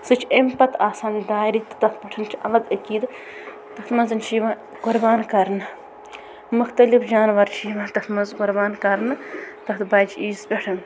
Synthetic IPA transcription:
sɨt͡ʃʰempɐt̪ʰaːsaːnd̪aːiɾit̪ɨ̥t̪ɐkpʲɐʈʰɨnt͡ʃʰiɐ̰lɐɡ̪ɐkiːd̪ | t̪ɐkt̪mɐzɨnt͡ʃʰiːʋã | ɡ̥ʊɾbaːnkɐɾnɨ | muxt̪ɐlifd͡ʒaːnʋɐɾt͡ʃʰiːʋãːt̪ɐt̪mɐzɡʊɾbaːnkɐɾnɨt̪ɐkt̪bɐːd͡ʒiːspʲeʈʰɨn

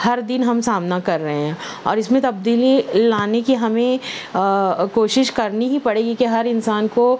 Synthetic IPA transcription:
hɐɾd̪ɪnɦɐmsaːmnakɐɾːɐɦeɦɛ̃ː | ɔːɾɪsmẽt̪ɐb̚d̪iːlilaːnekiɦɐmẽ | koːʃɪʃkɐɾniɦipɐɽeːɡikeɦɐɾɪnsaːnko

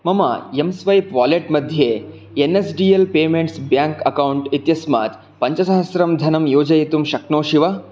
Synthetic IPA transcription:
mɐma̰jemsʋɐjpʋaːleʈmɐd̪ʱjeː | enesɖiːelpeːmeɳʈsbjaːŋkɐkɐwɳʈit̪jɐsma̰ːt̪ | pɐɲt͡ʃɐsɐɦɐsɾɐmd̪ʱɐnɐmjoːd͡ʒɐjit̪umʃɐknoːʃiʋɐ

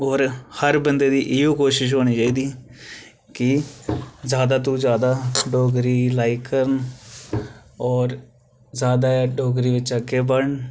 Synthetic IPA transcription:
ɔːɾhəɾbənd̪eːd̪iːʔɪjõːkoːʃɪʃ̬ɦoːɽ̃iːt͡ʃaːiːd̪iː | kɪ | zjaːd̪aːt̪̬ũːzjaːd̪aːɖoːɡɾiːlaːikːəɾən | ɔːɾ | zjaːd̪aːɖoːɡɾiːʋɪt͡ʃakebəɳ

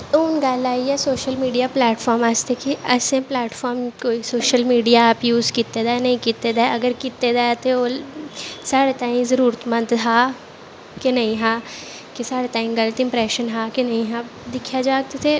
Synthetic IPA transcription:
uːnɡaːlaːiɛsoːʃəlmiːɖijaplɛːʈfʰɔːɾmaːst̪ʰekiʔɐsẽplɛːʈfɔːɾmkoːisoːʃəlmiːɖijaːpjuːzkit̪ːed̪aːnɐɦĩkit̪ːed̪aɐɡəɾkɪt̪ːed̪aːjt̪ʰeoː | saːɽet̪aːĩzəɾuːɾət̪mə̃nd̪ɦaː | kenɐɦĩɦaː | kesaːɽet̪aːĩɡɐlət̪ɪ̃mpɾɛːʃənɦaːkenɐɦĩɦãː | d̪ɪkʰjad͡ʒaːɡ̚t̪et̪ʰe

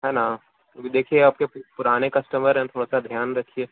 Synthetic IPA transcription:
ɦɛːna | d̪eːkʰieaːp̚kepʊɾaːnekɐsʈəməɾɦɛ̃t̪ʰoːɽasad̪ʱjaːnɾɐkʰːie

